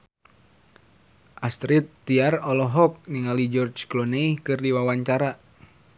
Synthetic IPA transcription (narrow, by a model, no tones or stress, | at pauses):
ʔast̪ɾit̪ːiarɔlɔɦɔk̚niŋalid͡ʒɔrt͡ʃklɔneikɨrdiwawaɲt͡ʃaɾa